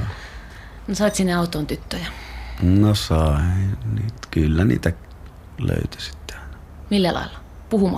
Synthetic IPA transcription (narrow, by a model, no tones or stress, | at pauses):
nosɑit̪ʲsinːeɑut̪ˑoːnt̪yt̪ːøjɑnosɑˑeniːt̪kylːænḭːt̪æ | lø̰ˑyt̪y̥si̥t̪ːe̥ɑˑenɑ | milːælɑ̰ˑilːɑpuhumɑ̰